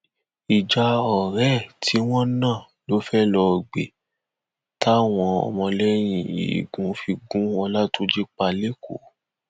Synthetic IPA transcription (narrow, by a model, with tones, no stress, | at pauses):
i˨d͡ʒa˧ɔ˨ɾɛ˦˨tʰi˨˦w̃ɔ̃˦nãː˦˨ | lo˦fɛ˦lɔ˧˨ɡ͡bḛ˨ | ta˦˨w̃ɔ̃˧ɔ̰˨mɔ̃˧lɛ˦j̃ĩ˨ḭ˨ɡũ˨˦fi˧ɡũ˦ɔ˧la˦tu˦d͡ʒe˦k͡pa˧le˦ko̰˨˦